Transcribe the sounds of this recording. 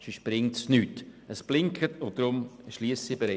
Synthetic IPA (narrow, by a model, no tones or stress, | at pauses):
ʃiʃpɾɪŋtsnyːtəsb̥lɪŋkʰətʊd̥ɾʊmʃliːəsibəɾɛ